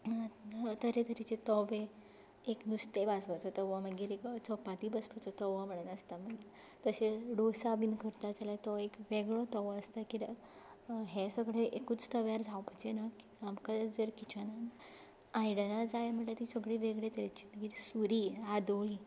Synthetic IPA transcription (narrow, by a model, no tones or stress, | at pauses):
t̪əɾet̪əɾit͡ɕet̪ɔʋe | eknust̪ebasʋat͡sɔt̪əʋaməɡiːɾekt͡sɔpãt̪ibəspat͡sɔt̪əʋam̤əɽənəst̪aməɡiɾ | t̪əseɖosabinkəɾt̪ad͡zalat̪ɔekʋeɡɭɔt̪ɔʋɔəst̪aki | ɦesəɡɭeʔekuːt͡st̪əʋjaɾd͡zʱawpat͡ɕenaki̥amkad͡zəɾkit͡ɕanan | ajɽənad͡zajem̤əɳʈlat̪isəɡɭeʋeɡɭet̪əɾet͡ɕiməɡiːɾsuɾiad̪oɭi